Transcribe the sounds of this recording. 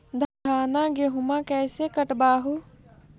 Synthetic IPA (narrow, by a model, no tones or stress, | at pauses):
d̪ʱaːnaɡeɦʊmãkɛːsekəʈbaːɦu